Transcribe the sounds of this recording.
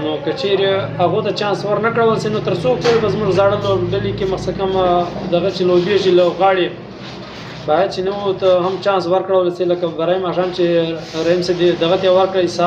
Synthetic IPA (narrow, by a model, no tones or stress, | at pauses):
nokat͡ʃeɾeaɣot̪at͡ʃɑːnswaɾnakɽawəlsenot̪əɾsopoɾebazmʊʐzaɽəloɖalikeməxsakamd̪aɣat͡ʃelobeʒiloɣɑɽe | bɑjad̪̚t͡ʃenawut̪aɦamt͡ʃɑ̃ːns̬waɾkɽawəlselakabaɾaimaʂɑːmt͡ʃeɾahimsebd̪ed̪aɣat̪jawaɾkɽasa